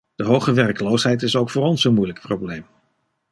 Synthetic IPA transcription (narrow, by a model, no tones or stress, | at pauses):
d̥əɦowχəʋɛrkəlowsɦɛjtɪsowkfʊːɾɔnsənmujləkproblejm